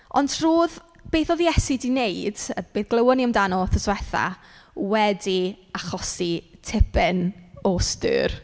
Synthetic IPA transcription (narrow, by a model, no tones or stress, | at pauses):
ɔ̰ndr̥uːð | b̥eːθɔðjɛsidineɨd̥əb̥eːθɡ̥lˠəwəniəmdanɔlθəswɛθa̰ | wɛdiaχɔsitʰɪpʰɛnɔstɨ̰ːr